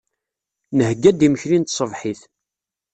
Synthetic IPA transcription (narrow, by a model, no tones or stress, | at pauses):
nəhɡːæd̪iməçlint̪sˤəvħiθ